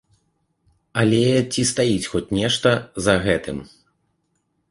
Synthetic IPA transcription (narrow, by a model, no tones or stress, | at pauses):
ɐlʲɛt͡sʲist̪ajit͡sʲxɔt͡sʲnʲɛʂt̪ɐzɐɣɛt̪ɨm